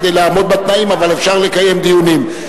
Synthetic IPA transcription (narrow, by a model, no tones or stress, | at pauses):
d̪ejlaːmo̞d̪̚bat̪naimavale̞fʃaʁle̞kaje̞md̪ijunim